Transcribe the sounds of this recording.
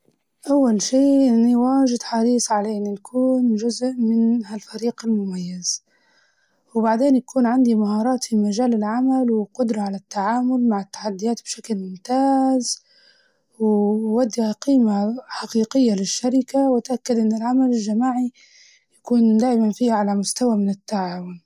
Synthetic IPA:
ʔawːalʃeːʔɪnːiwaːʒɪd̪ħɑɾiːsˤʕaleːninakʰuːnʒʊzʔmɪnhalfaɾiːqɪlmʊmajːaz̥ | wbaʕd̪eːnjakuːnʕand̪imahɑːɾˤɑːt̪fimaʒaːlɪlʕamalwɪqʊd̪ɾˤɑʕalat̪ːaʕaːmʊlmaʕɪt̪ːḁħad̪ːɪjaːt̪̚bʃaklmʊmt̪aːz | wɪwad̪ːihaqiːmaħaqiːqɪjːalɪʃːaɾɪkawɪt̪ʔakːad̪ʔɪnːɪlʕamalɪlʒamaːʕi | jakuːnd̪aːʔɪmanfiːhaʕalamʊst̪awamɪnɪt̪ːaʕaːwʊn

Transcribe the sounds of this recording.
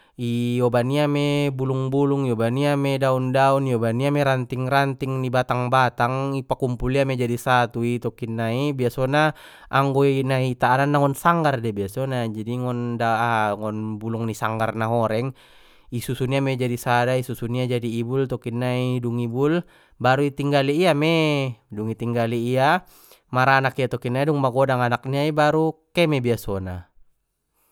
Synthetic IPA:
ijɔbaniamɛbuluŋbuluŋiɔbaniamɛdaundauniɔbaniamɛɾant̪iŋrant̪iŋnibat̪aŋbat̪aŋipakumpuliamɛd͡ʒadisat̪uit̪ɔkinːaibiasɔna | ʔaŋɡɔinait̪aːnanːaŋɔnsaŋɡardɛbiasɔnad͡ʒadiŋɔndaaŋɔnbulɔŋnisaŋɡarnaɦɔɾɛŋ | isusuniamɛd͡ʒadisadaisusuniad͡ʒadiːbult̪ɔkinːaiduŋibul | baɾuit̪iŋɡaliːamɛduŋit̪iŋɡaliːa | maɾaːnakiat̪ɔkinːaiduŋmaɡɔdaŋanak̚niaibaɾukɛmɛbiasɔna

